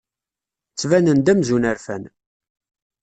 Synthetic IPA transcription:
t͡sːvænənd̪æmzunæɾfæ̰n

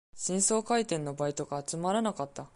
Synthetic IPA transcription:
ɕĩɰ̃so̞ːkait̪ẽ̞nːo̞bait̪o̞ɡaːt͡sɨmaɾanakat̪ːa

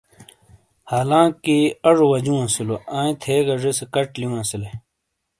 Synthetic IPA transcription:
haːlãːkiɐʐowɐd͡ʑũɐ̃siloãːĩt̪ʰeːɡɐʐesekɐʈlijũɐ̃sile

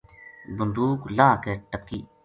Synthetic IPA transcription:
bʊnd̪uːklaːkeːʈəkːiː

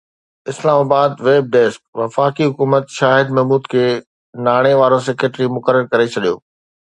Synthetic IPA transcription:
ɪslaːmaːbaːd̪ʋeːb̚ɖ̪eːsk̚ʋɐfaːkiɦʊkuːmət̪ʃaːɦɪd̪mɛɦmuːd̪kʰeː | naːɽ̃eʋaːɾõsekeʈɾimʊkəɾəɾkɐɾet͡ɕʰɐɗijo̰ː

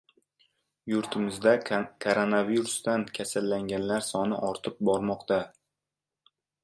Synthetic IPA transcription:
jʊɾt̪ʰɪmɪzd̪akʰoɾonaviɾust̪ankʲʰasalːaŋɡʲanlaɾsɒnɪ̰ʔɒɾt̪ʰɪp̚bɒɾmɒqt̪a

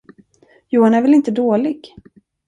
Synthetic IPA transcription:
juːhanæɾvɪlɪnt̪əd̪oːlɪɡ

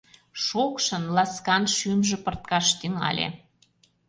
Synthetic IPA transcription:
ʃokʃə̆nlɑskɑnʃymʒĕpə̆rt̪̚kɑʃt̪yŋɑ̰lʲḛ

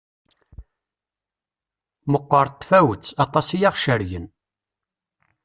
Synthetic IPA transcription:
məqːəɾˤt̪ːfæwət͡sːɑt̪ˤɑsijaʁʃəɾʝən

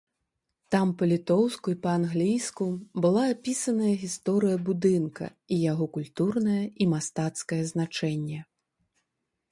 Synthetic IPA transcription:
t̪ampɐlʲit̪ɔwskuipɐanɣlʲijskubɨlˠaːpʲisɐnɐjɐɣʲist̪ɔɾɨjɐbud̪ɨnkɐ̰ | ijaɣɔkulʲt̪urnɐjɐimast̪at̪skɐjɛznat͡ʂɛnʲːɛ

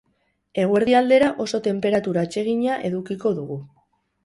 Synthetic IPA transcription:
e̞ɣ̞we̞ɾðiald̪e̞ɾaʔo̞so̞t̪e̞mpe̞ɾat̪uɾaːt͡ʃe̞ɣ̞iɲaʔe̞ðukiko̞ðuɣu

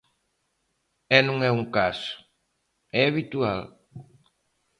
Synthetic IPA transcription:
ɛnũŋɛuŋkasʊ̥ | ɛaβit̪ual

